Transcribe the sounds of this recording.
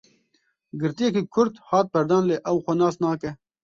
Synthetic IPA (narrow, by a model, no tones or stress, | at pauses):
ɡɨɾt̪ijekikʰʊɾd̪hɑːt̪̚pɛɾd̪ɑːnleːʔɛwxʷɐnɑːsnɑːkɛ